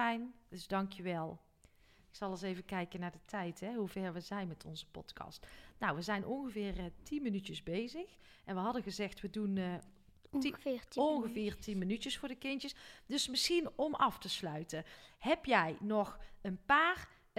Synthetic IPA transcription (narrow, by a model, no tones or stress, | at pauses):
ɛjnd̥əzdɑŋkʰjəʋɛlˠ | ɪksɑlˠɑsejvəkɛjkənaːɹdətʰɛjtɦɛɦuvɛɹʋəzɛjnmɛtʰɔ̰nzəpɔ̰tkɑ̰stnawʋəzɛjnʔɔnɣəvɪːrtinmənycəzbejzəx | ʔɛnʋəɦɑdənɣəzɛxtʋədun | ɔnɣəvɪːrtinmənytəsfʊːɹdəkɪntəsdɵsmɪsxinɔmʔɑftəslœɥtəɦɛpjɛjnɔχənpaːr